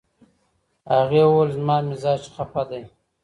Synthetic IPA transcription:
aɣeːwolzmɑːmɪzɑːt͡ʃxapad̪aj

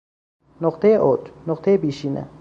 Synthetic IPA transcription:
noqt̪ʰejeʔod͡ʒnoqt̪ʰejebiːʃiːnḛ

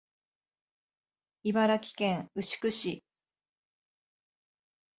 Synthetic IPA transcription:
ibaɾakʲi̥kẽ̞ŋɯ̟ɕi̥kɯ̟ɕi

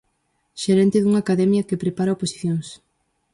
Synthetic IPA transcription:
ʃeɾɛnt̪ɪðuŋakaðɛmjɐkepɾepaɾaoposi̥θjoŋs

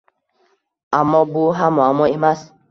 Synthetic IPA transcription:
amɔbuɦamɔamɔemas

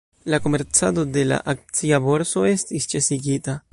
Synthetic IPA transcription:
lakomeɾt͡sad̪od̪ela̰ʔak̚t͡siaβoɾsoest̪ist͡ʃesiɡit̪a

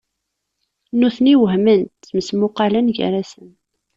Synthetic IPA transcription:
nuθniwəɦmənt̪məsmʊqːɑlænʝə̰ɾæsən

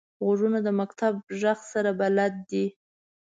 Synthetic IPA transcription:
ɣoʐunad̪əmakt̪ab̚ʒaxsaɾabalat̪̚d̪i

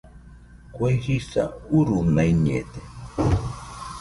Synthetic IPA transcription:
kwajhisa̰uɾunaiɲḛt̪e

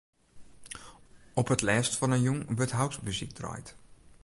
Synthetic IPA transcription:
ɔpətlɛːstfɔnənjuŋʋørtɦawksmyzḭk̚drɔ̰jt

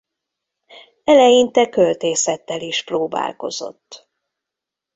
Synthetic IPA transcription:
ɛlɛjint̪ɛkølt̪eːsɛt̪ːɛliʃproːba̰ːlko̞̰zo̞̰t̪ː

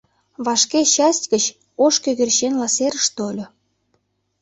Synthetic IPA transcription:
βɑʃkeɕɑstʲɡət͡ɕ | oʃkøɣerɕenlɑseɾəʃt̪olʲo

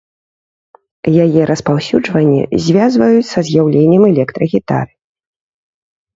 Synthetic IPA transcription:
jajɛɾʔɐspawsʲud͡ʐvɐnʲːḭzʲvʲazvɐjut͡sʲsɐzʲjawlʲenʲːɛmɛlʲɛkt̪ɾɐɣʲit̪a̰ɾɨ

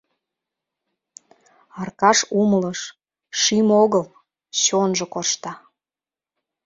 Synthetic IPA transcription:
ɑrkɑʃumləʃ | ʃimoɣəl | ɕonʒŏkoʃt̪ɑ

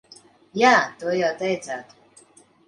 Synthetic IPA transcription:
jaːt̪uɔjawt̪ɛjd̪zaːt̪u̥

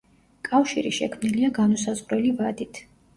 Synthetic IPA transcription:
kʼafʃiɾiʃɛkʰmniliaɡanɔsazʁɾɛlivad̪it̪ʰ

